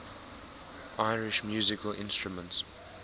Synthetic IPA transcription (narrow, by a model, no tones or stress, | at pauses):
ʔaɪɹɪʃmjuːzɪkəlʔɪ̰̃nstɹumə̃nts